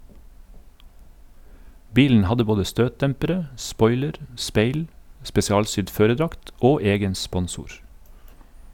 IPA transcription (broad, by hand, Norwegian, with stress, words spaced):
ˈbiːln̩ ˈhɑdə ˈboːdə ˈstøːtˌdɛmpəɾə ˈspɔʏləɾ ˈspeɪl spɛsɪˈɑːlˌsʏd ˈføːɾəˌdɾɑkt ˈoː ˈeːɡən ˈspɔnˌsuːɾ